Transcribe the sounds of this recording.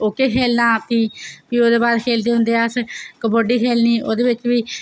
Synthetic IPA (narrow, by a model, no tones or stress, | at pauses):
oːkeːkʰeːlnaːt̪iːpiːoːd̪eːbaːɾkʰeːld̪eːɦʊ̃nd̪eːaːskəboːɖiːkʰeːlniːʔo̰ːd̪eːʋɪt͡ʃʋiː